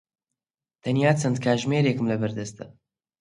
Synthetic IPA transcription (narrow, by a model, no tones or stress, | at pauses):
t̪ʰɐnjaːt͡sʰɐnd̪̚kʰaːʒmeːɾekɨmlɐbɐɾd̪ɐst̪ɐ